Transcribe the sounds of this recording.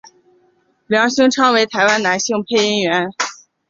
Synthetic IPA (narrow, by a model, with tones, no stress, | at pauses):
ljɑ˧˥ŋɕi˥ŋʈ͡ʂʰɑ˥ŋwe˧˥ɪt̪ʰa˧˥ɪwa˥nna˧˥nɕi˥˧ŋpʰe˥˧ɪi˥nɥɛ˧˥n